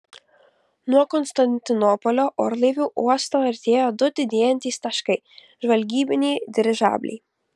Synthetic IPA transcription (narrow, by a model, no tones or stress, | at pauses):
nuɔkɔnst̪ɐnʲt̪ʲɪnɔpɔlʲoːʔoːɾlˠɐɪʋʲuːʔuɔst̪oːɐɾʲt̪ʲeːjoːd̪ʊd̪ʲɪd̪ʲeːjɛnʲt̪ʲiːst̪ɐʃkɐɪ | ʒʋɐlʲɡʲiːbʲɪnʲɛːd̪ʲɪɾʲɪʒɑ̰ːbʲlʲɛ̰ɪ